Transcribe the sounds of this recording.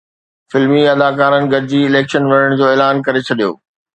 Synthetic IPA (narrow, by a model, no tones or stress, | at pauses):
fɪlmiɐd̪aːkaːɾənɪ̆ɡʱɐɾɪd͡ʑiɪleːkʃənʋɐnəɽ̃̆d͡ʑoːeːlaːnkɐɾet͡ɕʰɐɗijo̰ː